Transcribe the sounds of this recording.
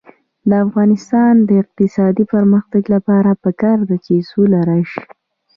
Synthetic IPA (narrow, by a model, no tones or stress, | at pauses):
d̪əafɣɑnɪst̪ɑnd̪əɪq̚t̪ɪsɑd̪ipəɾməxt̪aɡlapɑɾapəkɑɾd̪at͡ʃesulaɾaʃ